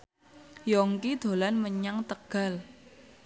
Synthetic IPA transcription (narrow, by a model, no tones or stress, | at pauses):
jɔŋkid̪̥o̤lanməɲaŋt̪əɡ̥a̤l